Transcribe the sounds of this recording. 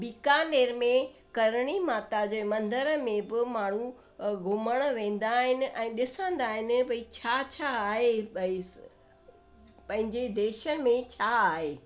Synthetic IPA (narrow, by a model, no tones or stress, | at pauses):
biːkaːneːɾmẽkɐɾɽ̃imaːt̪ad͡ʑeːmɐ̃nd̪əɾmẽbɪmaːɳ̤ũ | ɡʱʊməɽ̃ʋẽːn̆d̪aːɦɪnɪ̆ʔɛ̃ːɗɪsə̃nd̪aːɦɪnɪ̆bɐit͡ɕʰaːt͡ɕʰaːɦebɐ | pɐ̃ɦɪ̃ɲd͡ʑed̪eːʃən̆mẽt͡ɕʰaːaːɦeː